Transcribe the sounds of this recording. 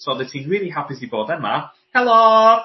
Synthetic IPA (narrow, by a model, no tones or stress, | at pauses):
soðɛtʰĩnɹiːlˠiɦapisibɔːdɛma | hɛlo